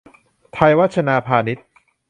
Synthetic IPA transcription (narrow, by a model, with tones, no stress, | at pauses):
t̪ʰa˧jwa˦˥t̪̚t͡ɕʰa˧naː˧pʰaː˧ni˦˥t̪̚